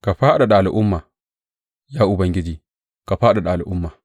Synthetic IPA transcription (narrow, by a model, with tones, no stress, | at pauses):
ka˨ɸaː˦ɗa˨ɗa˨a˨lʔʊ˦mːa˨ | jaː˦ʔʊ˨bɐ˦ŋɡʲɪ˦d͡ʒiː˨ | ka˨ɸaː˦ɗa˨ɗa˨a˨lʔʊ˦mːa˨